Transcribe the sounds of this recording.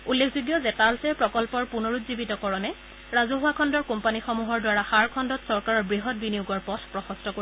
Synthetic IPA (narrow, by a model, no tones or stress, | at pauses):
ulːekʰzuɡjɔzɛtalsɛpɹɔkɔlpɔɹpunɔɹutzibitɔkɔɹɔnɛ | ɹazuɦʊakʰɔndɔɹkɔmpanixɔmuɦɔɹdwaɹaxaɹkʰɔndɔtsɔɹkaɹɔɹbɹiɦɔt̚binijuɡɔɹpɔtʰpɹɔxɔstɔkoi